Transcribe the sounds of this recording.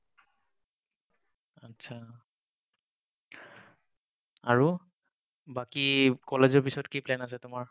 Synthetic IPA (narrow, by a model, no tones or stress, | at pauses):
atːsʰa | aɹu | bakikɔlezɔɹpisɔtkiplɛnas̬ɛtʊmaɹ